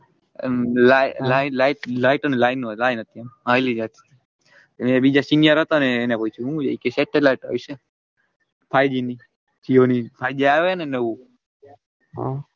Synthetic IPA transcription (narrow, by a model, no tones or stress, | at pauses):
lalainlaiʈlaiʈənelainulainɦət̪ʰiemɦajlid͡ʒat̪ʰi̥ | emeebid͡ʒasinjəɾɦət̪oneːnekoit͡ʃʰuɦũd͡ʒaikeseʈelaiʈa̰ʋise | pʰajd͡ʒini | t͡ʃʰionipʰajd͡ʒiaʋeənenəʋũ | ɦ